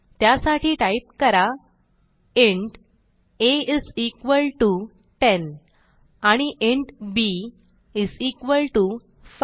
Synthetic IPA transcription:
t̪jasaʈʰiːʈaip̚kəɾa | eɳʈ | eizikʋəlʈu | ʈen | aɽ̃iʔeɳʈbi | izikʋəlʈu | f

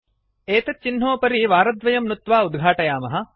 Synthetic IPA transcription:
eːt̪ɐt͡ʃin̤ːoːpɐɾiʋaːɾɐd̪ʋɐjɐmnut̪ʋaːud̪ɡʱaːʈɐjaːmɐɦɐ̆

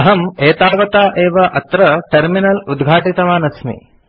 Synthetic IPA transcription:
ɦɐmeːt̪aːʋɐt̪aːʔeːʋɐʔɐt̪ɾɐʈɐɾminɐlud̪ɡʱaːʈit̪ɐʋaːnɐsmḭ

